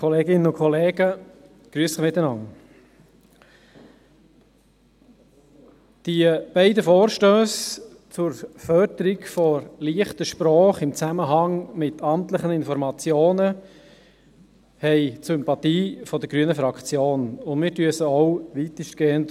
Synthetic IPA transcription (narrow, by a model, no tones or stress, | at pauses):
kʰɔleːɡɪnənʊnkʰɔleːɡ̥ə | ɡ̥ɾyəsɪmɪt̪ːənɑn | d̥iəb̥ɛɪdəfoːɾʃtøːs | t͡sʊɾfœɾdəɾɪɡfɔɾliəχtəʃpɾɔːχɪmt͡sæməɦɑŋmɪt̪ʰɑmt̪ləχənɪnfɔɾmɑt͡sjoːnə | hɛɪsympɑt̪iːfɔd̥əɾɡɾyənəfɾɑkt͡sjoːnʊndmɪːɾtyəsəɔʊʋitəʃtɡ̥eːənt